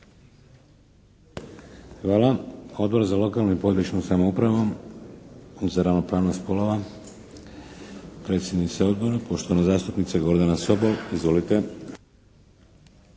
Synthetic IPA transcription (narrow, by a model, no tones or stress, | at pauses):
xʋaːlao̞d̪̚bo̞ɾzalo̞kalnoipo̞d̪ɾut͡ʃnosamoupɾaʋu | zaɾaʋnopɾaːʋnost̪polˠoʋa | pɾet̪sʲjed̪nit̪seo̞d̪bo̞ɾapoʃt̪oanazaːst̪upnit̪seɡo̞ɾd̪anasobolizʋo̞lit̪e̞